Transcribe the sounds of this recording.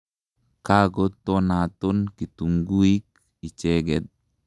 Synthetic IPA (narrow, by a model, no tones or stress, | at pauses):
kaɡotːɔnatonkituŋɡuik̚ | it͡ʃɛɡɛt̚